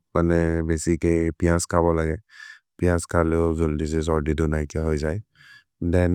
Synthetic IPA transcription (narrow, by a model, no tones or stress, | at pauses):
manɛbesikejpijãskʰabɔlaɡɛ | pijãskʰaleʊzoldis̬ɛs̬ɔɹdidunajkɛɦojzaj | dɛn